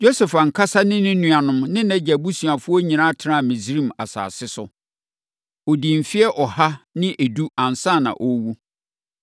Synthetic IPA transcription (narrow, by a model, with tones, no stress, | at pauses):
jo˦sɛ˨fa˨ŋ̩˨kʰa˦sa˦nɪ̃˦nɪ̃˦nũ˨a˨nʊ̃˦mnɪ̃˦nɛ̃˦d͡ʑɛ˨bu˦sɥa˨fʊ˦ɔ˦ɲĩ˨nã˦tʰɪ˨˦ã˦˨mĩ˨zɾĩ˦˨ma̰˨sa̰ː˨sɪ˦sʊ˨ | ɔ˨di˨m̩˨fi˦ɛ˦ʔɔ˨ha˦nɪ̃˦ʔe˨du˦ã˨n˨sã˦˨nã̰˨ʔɔ˦wu˦